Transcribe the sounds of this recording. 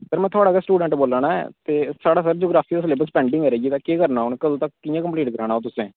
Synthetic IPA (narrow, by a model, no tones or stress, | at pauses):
pəɾmɛ̃ːt̪ʰʊaːɽaːkɛsʈuːɖɛ̃ɳʈboːlaːnaːɛ̰t̪eːsaːɽaːsəɾd͡ʒoːɡɾaːpʰiːʊsleːbəspɛ̃ːɳɖɪ̃ŋɡɛːɾeːɡiːt̪ãːkeːkəɾnaːʊnkəlːt̪akɪjãːkəmpliːʈkəɾaːnaːoːt̪ʊsẽː